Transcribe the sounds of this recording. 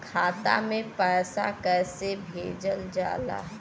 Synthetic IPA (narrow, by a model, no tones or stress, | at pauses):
kʰaːt̪a̰mẽpɛːsa̰kɛːsebʱeːd͡ʒəld͡ʒa̰ːla̰ːɦ